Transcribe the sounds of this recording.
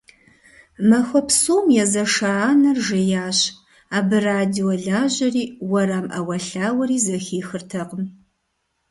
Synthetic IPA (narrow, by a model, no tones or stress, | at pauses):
mɐxʷɐpsuːmjɛzɐʂaːnɐrʒɪjaːɕ | aːbɨraːdioɮaːʑɐriːwɐɾaːmɐ̰wɐɬaːwɐɾiːzɐxiːxɨrtʰɐqəm